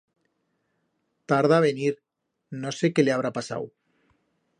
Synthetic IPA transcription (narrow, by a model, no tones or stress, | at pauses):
t̪aɾðaβeniɾ | nose̞ke̞leaβɾapasa̰w